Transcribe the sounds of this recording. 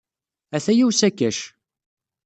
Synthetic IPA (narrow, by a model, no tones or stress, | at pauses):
æθæjiwsækːæʃ